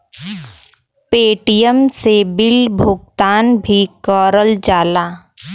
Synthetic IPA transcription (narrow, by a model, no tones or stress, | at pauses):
peːʈijəmsebɪlbʱʊɡ̚t̪aːnbʱikɔːɾəld͡ʒaːlaː